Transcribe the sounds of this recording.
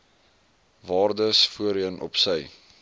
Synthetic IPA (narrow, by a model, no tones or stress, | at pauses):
vɑːrdəsfuəɾiənʔɔ̰psəj